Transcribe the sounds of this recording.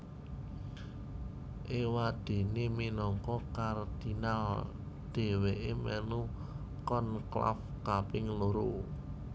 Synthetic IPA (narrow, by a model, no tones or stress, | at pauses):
ʔewad̪̥e̤neminɔŋkɔkard̪̥inal | d̪̥e̤weʔemɛnu | kɔnkla̰f | kapɪŋloɾo